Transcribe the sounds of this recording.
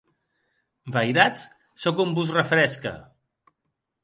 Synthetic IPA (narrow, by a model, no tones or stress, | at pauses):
bajɾat͡s | sokumbuzrəfɾɛskə̰